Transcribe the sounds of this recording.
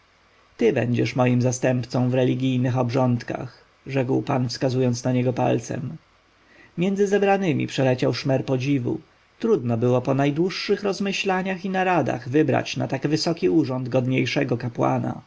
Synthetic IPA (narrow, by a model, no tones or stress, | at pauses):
t̪ɘbɛ̰ɲd͡ʑɛʂmɔjimzast̪ɛmpt̪sɔ̃w̃vɾɛlʲiɡʲijnɘxɔbʐɔnt̪ka̰x | ʐɛkwpanfskazujɔnt̪snaɲɛɡɔpa̰lt̪sɛ̰m | mʲjɛnd̪zɘzɛbɾanɘmʲʔḭpʂɛlɛt͡ɕawʂmɛɾpɔd͡ʑivṵ | t̪ɾud̪nɔbɘwɔpɔnajd̪wuʂːɘxɾɔzmɘɕlaɲaxinaɾad̪a̰ɣvɘbɾa̰t͡ɕna̰t̪aɡvɘsɔkʲiuʐɔnd̪ɡɔd̪ɲejʂɛɡɔkapwa̰na̰